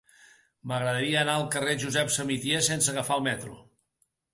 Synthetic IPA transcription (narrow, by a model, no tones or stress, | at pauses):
məɣɾəðəɾiəːnaəlˠkəreʒuzɛpsəmit̪jesensəɣəfaəlˠmɛt̪ɾṵ